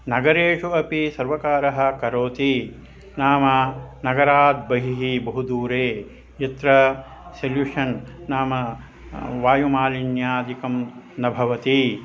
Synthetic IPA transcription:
nɐɡɐɾeːʂuɐpisɐɾʋɐkaːɾɐɦɐ̆kɐɾoːt̪i | naːmɐnɐɡɐɾaːd̪̚bɐɦiɦibɐɦud̪uːɾeː | jɐt̪ɾɐ | seljuʂɐnːaːmɐ | ʋaːjumaːlinjaːd̪ikɐm | nɐbʱɐʋɐt̪i

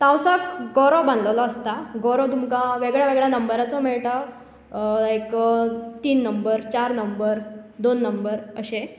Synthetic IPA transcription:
t̪ãwsəkɡɔɾɔbãnd̪ləlɔəst̪aɡɔɾɔt̪umkaʋeɡɭjaʋeɡɭjanəmbəɾat͡sɔm̤ɛɭʈa | ajkət̪iːnːəmbəɾt͡ɕaɾnəmbəɾd̪onːəmbəɾəɕe

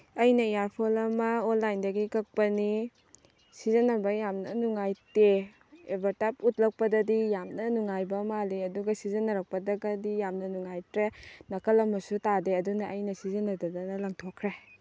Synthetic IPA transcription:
ɐjnɐjaɾpʰolɐmɐonlajndɐɡikɐk̚pɐni | sizɐnɐbɐjamnɐnuŋajte | ebaɾtap̚ut̚lɐk̚pɐdɐdijamnɐnuŋajbɐmaliɐduɡɐsizɐnɐɾɐk̚pɐdɐɡɐdijamnɐnuŋajtɾenɐkɐlɐmːɐsutadeɐdunɐʔɐjnɐsizɐnɐdɐdanɐlɐŋtʰokʰɾe

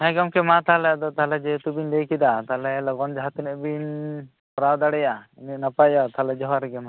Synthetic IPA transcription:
ɦajɡɔmkɛmat̪aɦlɛjad̪ɔt̪aɦlɛd͡ʒɛt̪ubiɲd̪ɛjkid̪at̪aɦlɛlɔɡɔnd͡ʒaɦat̪unɛʔbiɲ | pɔɾawd̪aɽɛjaininapajɔt̪aɦlɛd͡ʒɔɦaɾɛɡɛma

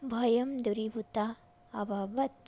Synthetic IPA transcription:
bʱɐjɐmd̪uɾibutaː | babɐt̪̚

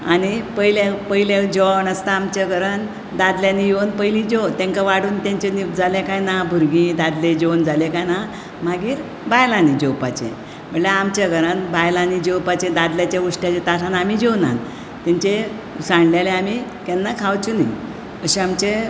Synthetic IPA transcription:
añipəilẽpəjled͡ʑɔnəst̪aːmt͡ɕaɡəɾən | d̪ad̪ljãnijewnpəjlĩd͡ʑewt̪ɛ̃ŋkaʋaɽuːnt̪ãɲt͡ɕenid͡zalẽkajnabʱuɾɡĩd̪ad̪led͡ʑend͡zalekajna | maɡiːɾ | bajlãnid͡ʑewpat͡ɕḛ̃ | m̤əɽlaamt͡ɕaɡəɾanbajlanid͡ʑewpat͡ɕẽd̪ad̪ljat͡ɕauʂʈjat͡ɕet̪asanamid͡ʑewna̰n | t̪ɛ̃ɲt͡ɕe | sãɳɖlaleamikɛnːakʰawt͡ɕunə | əɕiamt͡ɕe

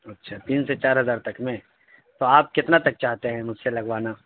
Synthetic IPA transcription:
ɐtːʃʰaːt̪iːnset͡ʃaːɾɦɐzaːɾt̪ɐkmẽ | t̪oaːp̚kɪt̪nat̪ɐk̚t͡ʃaːɦt̪eɦɛ̃mʊd͡ʒʱselɐɡʋaːnaː

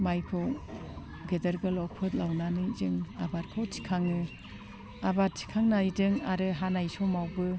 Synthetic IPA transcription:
majpʰɯw | ɡedɐɾɡɯlɔk̚pʰɯt̚lawnanɯjzɯŋabaɾkʰɔwtʰi̥kʰaŋɯ | abaɾ̚sʰi̥kʰaŋnaidɯŋaɾɯɦanajsɔmawbɯ

